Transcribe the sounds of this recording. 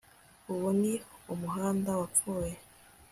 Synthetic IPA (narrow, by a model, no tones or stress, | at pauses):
uβuniumuɦaːndawap͡fuːje